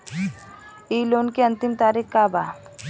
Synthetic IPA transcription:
iːloːnkeɐ̃nt̪ɪmt̪aːɾikkaba̰ː

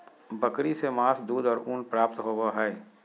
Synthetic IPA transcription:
bəkɾisemaːsd̪uːd̪ɔːɾuːnpɾaːp̚t̪ɦoːwaɦɛː

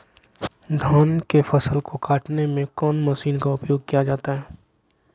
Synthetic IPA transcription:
d̪ʱaːnkefɐsəlkokaːʈnemẽkɔːnmɐʃiːnkaʊpjoːɡ̚kijad͡ʒaːt̪aɦɛː

